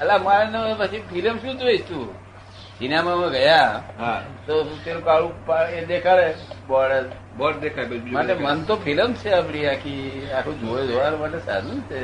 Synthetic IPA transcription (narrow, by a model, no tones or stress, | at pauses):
əlamãenepət͡ʃʰipʰiləmʃũːd̪ʋeid͡ʒt̪ũ | sinamãmãɡəjaɦãt̪ot̪eɾũkaɭũpaed̪ekʰaɭebɔɭe | bɔd̪ekʰabeid͡ʒmaemənt̪opʰiləmt͡ʃʰeapɽ̃iakʰiakʰũd͡ʒod͡ʒoʋanmaʈlesa̰d̪ũt͡ʃʰe